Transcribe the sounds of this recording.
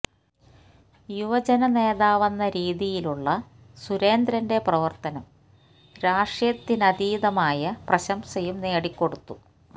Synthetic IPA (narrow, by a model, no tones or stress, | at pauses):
juʋɐd͡ʑɐnɐne̞ːðaːʋɐnːɐɾiːðijiluɭːɐ | suɾe̞ːnd̪ɾɐnde̞prɐʋɐrt̪ɐnɐm | ɾaːʂjɐt̪ːinɐd̪iːðɐmaːjɐprɐɕɐmsɐjumne̞ːɽikʲːo̞ɽut̪ːu